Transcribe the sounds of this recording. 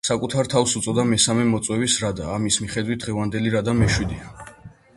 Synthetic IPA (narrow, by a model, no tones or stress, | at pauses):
sakʼut̪ʰaɾt̪ʰafsut̪sʼɔd̪amɛsamɛmɔt̪sʼwɛbisɾad̪aːmismiχɛd̪wit̪̚ʰd̪ʁɛvand̪ɛliɾad̪amɛʃwid̪ia